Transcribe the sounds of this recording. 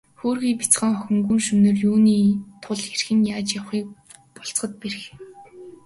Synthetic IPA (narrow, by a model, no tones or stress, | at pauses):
xoːrɣiːpʲi̥t͡sχə̆ŋχɔxʲɵ̆ŋɡuːnʃɵnɵ̆rjuːniːt̪ʰʊɮxerxɘ̆njaːt͡ɕjawχiːk̚ | pɔɬt͡sχə̆t̪̚per̆x